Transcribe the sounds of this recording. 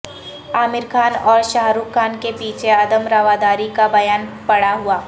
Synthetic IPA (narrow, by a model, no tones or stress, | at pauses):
aːmɪɾkʰaːnɔːɾʃaːɦɾuːkkʰːaːnkepiːt͡ʃʰeɐd̪əmɾaʋad̪aːɾikabɐjaːnpɐɽaɦʊaː